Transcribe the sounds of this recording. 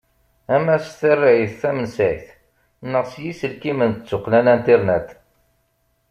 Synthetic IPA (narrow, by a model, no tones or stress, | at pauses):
æmæsθərːaʕiθθæmənsæjθ | nːəʁsjisəlkimənət͡sːʊqːlænænt̪eɾnæt̪